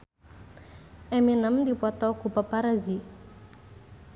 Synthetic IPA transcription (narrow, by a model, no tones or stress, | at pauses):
ɛminəmd̪ipɔt̪ɔkupapaɾazi